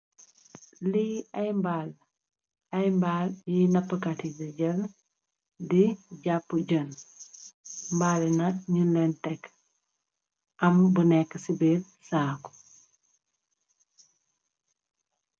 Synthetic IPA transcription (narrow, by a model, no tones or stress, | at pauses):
lijɐjmbal | ɐjmbaːljinɐpːəkatid͡ʒəd͡ʒən | did͡ʒapːud͡ʒən | mbaːlinɐɲunlɛntɛkː | ɐmbunɛkːəsibeɾ | saːku̥